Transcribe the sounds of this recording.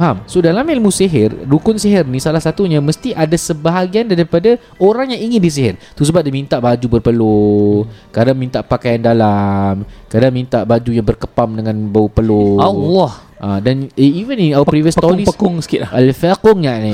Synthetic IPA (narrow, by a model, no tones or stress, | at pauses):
hamsodalamilmũsiɦɪrːukʊnsiɦərnĩsalahsat̪uɲaməst̪iʔadasəbaɦaɡiandaɾipada | oɾaŋjaŋiŋɪndis̬iɦərt̪us̬əbap̚dimint̪aʔbad͡ʒubərpəlo | kadaŋmint̪aʔpakajandalamkadaŋmint̪aʔbad͡ʒujaŋbərkəpamdəŋãnbaupəloalɔh | ʔadanivəninawəpɾiviəst̪ɔɾisəkʊŋsə̥kilaəlfakʊŋɲaʔni